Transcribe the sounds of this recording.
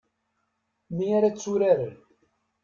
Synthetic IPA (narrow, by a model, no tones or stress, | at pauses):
miaɾat͡sːuɾaɾən